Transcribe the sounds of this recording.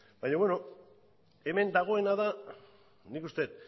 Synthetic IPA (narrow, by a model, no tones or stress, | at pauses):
baɲaβe̞no̞ | e̞me̞nd̪aɣ̞o̞e̞naða | nikust̪e̞t̪